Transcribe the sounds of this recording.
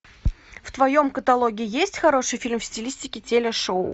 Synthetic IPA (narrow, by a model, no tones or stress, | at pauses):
ft̪vɐjo̞mkət̪ɐlˠoɡʲɪːjesʲtʲxɐɾo̞ʂɨjfʲilʲmfsʲtʲɪlʲisʲtʲɪkʲɪtʲelʲɪʂoʊ̰